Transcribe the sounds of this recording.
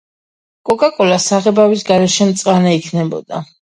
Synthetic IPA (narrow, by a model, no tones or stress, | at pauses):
kʼɔkʼakʼɔlasaʁɛbawisɡaɾɛʃɛmt̪sʼqʼanaikʰnɛbɔ̰d̪a